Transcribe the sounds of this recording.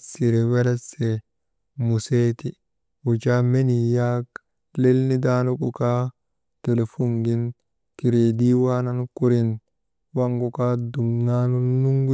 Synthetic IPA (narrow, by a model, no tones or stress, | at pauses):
siɾɛwɛlɛsɛ | museːt̪i | ut͡ʃamenijak | lelnid̪aːnɔkuka | tɛlefuŋɡin | kiɾeːd̪iwaːnankuɾin | waŋɡukadumnaːnɔnuŋɡu